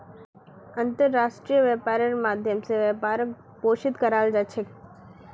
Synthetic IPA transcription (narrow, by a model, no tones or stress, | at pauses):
ənt̪əɾːaːʃʈɾijəʋepaɾəɾmaːd̪ʱjəmseʋepaɾək | poːʃɪt̪kəɾald͡ʒat͡ʃʰek